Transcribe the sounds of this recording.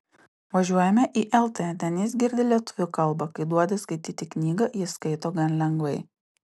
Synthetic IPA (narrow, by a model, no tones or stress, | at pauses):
ʋɐʒʲuɔjɛmʲɛʔiːʔɛlˠt̪ʲet̪ʲɛnjɪs̬ɡʲɪɾʲd̪ʲɪlʲiɛt̪ʊʋʲʊkɐlˠbɐkɐɪd̪uɔd̪ʲɪskɐɪt̪ʲiːt̪ʲɪknʲiːɡɐjɪskɐɪt̪oːɡɐnlʲɛŋɡʋɐɪ